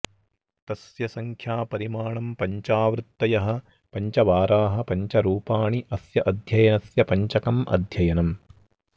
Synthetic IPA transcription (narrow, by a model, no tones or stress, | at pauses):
t̪ɐsjɐsɐŋkʰjaːpɐɾimaːɳɐmpɐɲt͡ʃaːʋɾɨt̪ːɐjɐɦɐ̆ | pɐɲt͡ʃɐʋaːɾaːɦɐ̆pɐɲt͡ʃɐɾuːpaːɳiʔɐsjɐʔɐd̪ʱjɐjɐnɐsjɐpɐɲt͡ʃɐkɐmʔɐ̰d̪ʱjɐjɐnɐm